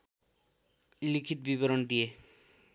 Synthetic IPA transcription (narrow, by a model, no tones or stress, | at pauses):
likʰit̪biboɾond̪ie